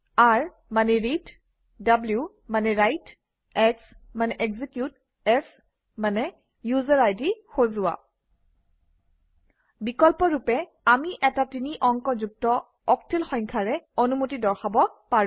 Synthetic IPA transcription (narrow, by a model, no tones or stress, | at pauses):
aɹ | manɛɹid | dablju | manɛɹajt | ɛksmanɛʔɛɡzikjut̚ | ɛs | manɛ | juzaɹajdixozʊa̰ | bikɔlpɔɹupɛ | amiʔɛtatiniʔɔŋkɔzuk̚tɔ | ɔktʰilxɔŋkʰaɹɛonumutidɔɹxabɔpaɹ̃